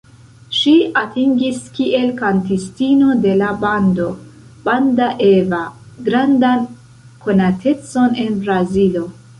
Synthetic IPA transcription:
ʃiatiŋɡiskiʔe̞lkantistino̞de̞labando̞ | b̥andaʔeva | ɡɾandan | kʰo̞natʰe̞t͡so̞ne̞nbɾazilo̞

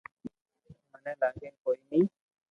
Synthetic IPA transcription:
mɐnɛlaːɡekoimi

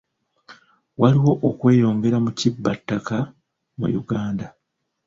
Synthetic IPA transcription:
waliwo̞ʔokwe̞ːjo̞ːŋɡe̞ɾamucibːatːaka | mṵjuɡaːnda

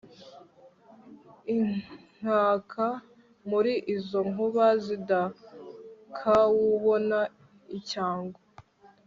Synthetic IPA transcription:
iŋ̥aːkʰa | muɾiʔizoŋuβazida | kʰawuβo̞na | icaːŋɡo

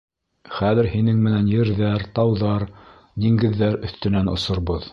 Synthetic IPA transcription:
χæðɘ̆ɾhinɘŋmɘ̆nænjɘ̆ɾðæɾt̪ɑwðɑɾ | d̪iŋɡɘ̆ðːæɾɵ̆θt̪ɘ̆nænŏ̰sŏɾβɤð

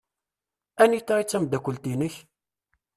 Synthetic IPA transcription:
ænit͡sːɑɾit͡sːæmd̪ækʷəlt̪inəç

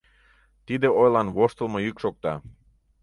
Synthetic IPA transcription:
t̪id̪eojlɑnβoʃt̪əlˠmojykʃok̚t̪ɑ̰

